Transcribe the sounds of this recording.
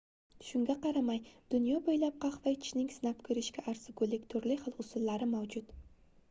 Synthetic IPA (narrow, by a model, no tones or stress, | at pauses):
ʃʊŋɡʲaqʰɑɾamajd̪̥ʊnjɒbojlap̚qʰɑχvat͡ʃʰnɪŋsɪnapkʰɵɾɪʃkʲaʔːɾsɪɡolˠːɪkʲt̪ʰʊɾlɪχɨlˠʊsʊlːaɾɪmawd͡ʒʊt̪